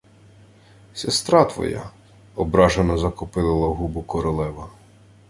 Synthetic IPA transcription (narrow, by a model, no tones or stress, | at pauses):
sʲest̪ɾɑt̪ʋɔ̰ja̰ | ɔbɾɑʒenɔzɐkɔpɪlˠɪlˠɐɦubʊkɔɾɔlˠɛʋɐ